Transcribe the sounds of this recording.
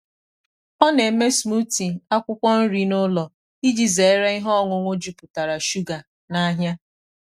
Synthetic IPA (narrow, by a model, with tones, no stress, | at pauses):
ɔ˦ne˨me˦smu˦ti˨a˦kʷʊ˦kʷɔ˦n̩˦ɾi˦nʊ˦lɔ˨ | i˦d͡ʒi˨ze˨˦ɾe˦i˦ɦɔ˦ŋʷʊ˨ŋʷo˦d͡ʒu˦pʊ˨ta˨ɾa˨ʃu˦ɡa˨ | na˦ɦja˦